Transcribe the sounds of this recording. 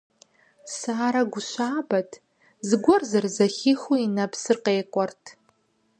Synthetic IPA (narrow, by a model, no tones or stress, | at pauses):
saːɾaɡʷʊʃʷaːbatʰʼ | zɡʷɔrzarzaχʲiχuinapʰsɨrqeːkʷʼɔrtʰ